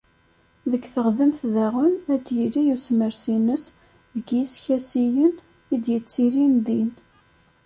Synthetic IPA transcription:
ðəkːθəʁðənθðæʁənæd̪jilijusməɾsinəs | ðəɡisçæsijən | id̪jət͡sːiɾind̪in

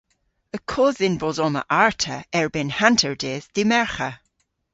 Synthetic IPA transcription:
əkʰɔðɪnbɔzɔmə̰ʔaɹtʰəɛɹbɪnhantʰəɹdeðd̪̥imɛɹxə

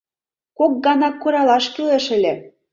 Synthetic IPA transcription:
kok̚ɡɑnɑkːoɾɑlɑʃkyleʃɘ̆lʲĕ

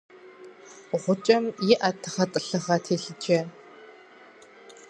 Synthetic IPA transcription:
ʁʷʊt͡ʃʼɐmjiʔɐtʰɨ̥χɐtʼɨɬɨʁɐtʰeːɬɨd͡ʒɐ

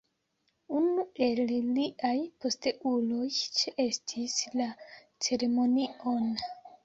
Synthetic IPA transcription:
unue̞lliʔajpo̞ste̞ʔulo̞jt͡ʃeʔestʰisla | t͡se̞ɾe̞mo̞nio̞n

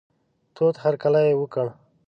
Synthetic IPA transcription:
t̪ot̪haɾkalajewəkəɳ

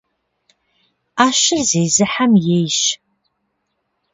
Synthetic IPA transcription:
aːʃɪrzejzɨħamjejʃ

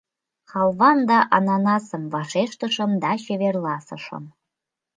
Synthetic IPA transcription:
χɑlˠβɑnd̪ɑʔɑnɑnɑsə̆mvɑʃeʃt̪ə̆ʃə̆md̪ɑɕeβerlɑsɤʃə̰m

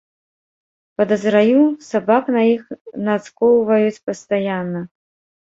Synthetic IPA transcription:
pɐd̪ɐzɾajusabaknɐjixnaskɔwvɐjut͡sʲpɐst̪ajanːɐ

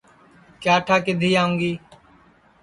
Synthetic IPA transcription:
kjaːʈʰaːkɪd̪ʱiːaːũːɡiː

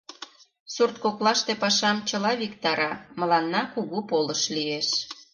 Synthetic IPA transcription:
surt̪koklɑʃt̪epɑʃɑmt͡ɕəlɑβikt̪ɑɾɑmə̆lɑnːɑkuɣupoləʃlieʃ

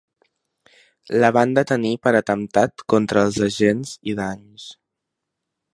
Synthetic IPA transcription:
ləβand̪ət̪ənipəɾət̪əmt̪at̪kɔnt̪ɾəːlˠzəʒenz̥iðaɲ | s

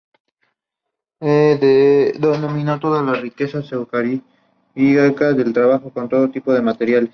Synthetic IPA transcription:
eðed̪onomĩnat̪oðazlarike̞sasewkaɾi | iɣakaðelt̪ɾaβaxoko̞nt̪o̞ðot̪ipo̞ð̞e̞mat̪e̞ɾjales

